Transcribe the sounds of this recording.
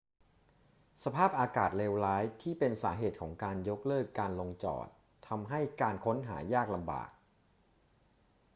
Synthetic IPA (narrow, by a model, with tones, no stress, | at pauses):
sa˧pʰaː˥˩p̚ʔaː˧kaː˨˩t̪̚leː˧wlaː˦˥jt̪ʰiː˥˩pe˧nsa̰ː˩˦ɦeː˨˩t̪̚kʰɔː˩˦ŋkaː˧njo˦˥k̚lɤː˥˩kːaː˧nlo˧ŋt͡ɕɔ̰ː˨˩t̪ʰːa˧mɦa˥˩jkaː˧nkʰo˦˥nɦa̰ː˩˦jaː˥˩k̚la˧mba̰ː˨˩k̚